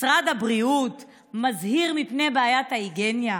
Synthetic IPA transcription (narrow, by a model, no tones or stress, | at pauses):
sʁad̪habʁiut | mazhiʁmipnejbeːjathaiɡenja